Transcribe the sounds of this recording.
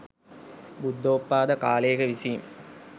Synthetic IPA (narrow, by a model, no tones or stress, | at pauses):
bud̪ʱːoːpːaːd̪ɐkaːleːkəʋisim